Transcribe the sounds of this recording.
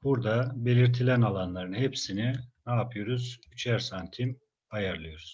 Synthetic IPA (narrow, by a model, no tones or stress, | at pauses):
b̥uɾd̪abe̞lʲiɾt̪ʰilʲænalˠanlˠaɾɯnhepsininaːpʰɯjo̞ɾuzyt͡ʃʰæɾsant̪ʰim | ajaɾlˠɯjo̞ɾuz̥